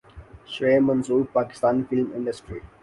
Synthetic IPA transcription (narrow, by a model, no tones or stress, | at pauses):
ʃɾeːmɐ̃nsuːɾpaːkɪ̥st̪aːnifɪlmɪ̰̃ɳɖəsʈɾi